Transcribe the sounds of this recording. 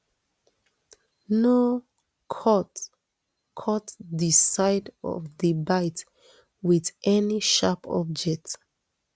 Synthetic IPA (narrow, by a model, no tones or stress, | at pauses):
no | kʰɔt | kʰɔtdisaɪdɔ̰vdibaɪt | wiðʔɛniʃapʰɔ̰b̚d͡ʒɛk̚t